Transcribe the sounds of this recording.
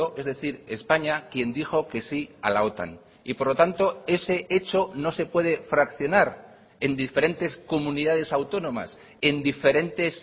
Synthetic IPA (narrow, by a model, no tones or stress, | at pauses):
oʔe̞zðe̞θiɾespaɲakje̞nd̪ixo̞ke̞sia̰lao̞t̪a̰n | ipo̞ɾlo̞t̪ant̪o̞e̞se̞ʔe̞t͡ʃo̞no̞se̞pwe̞ð̞e̞fɾakθjo̞naɾ | e̞nd̪ife̞ɾe̞nt̪e̞sko̞mũniðað̞e̞sawt̪o̞nõ̞ma̰s | e̞nd̪ife̞ɾe̞nt̪e̞s